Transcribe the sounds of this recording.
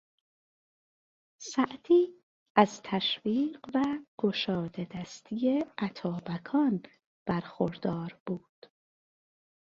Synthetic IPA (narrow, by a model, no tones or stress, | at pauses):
sæʔd̪ʰiː | æzt̪ʰæʃviːɢvæɡ̥oʃɒːd̪e̞d̪æst̪ʰijeʔæt̪ʰɒːbækʰɒːn | b̥æɾxoɾd̪ɒːɾb̥uːd̪̥